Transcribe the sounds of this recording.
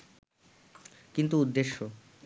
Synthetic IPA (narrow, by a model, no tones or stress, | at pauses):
kint̪uud̪ːeʃːo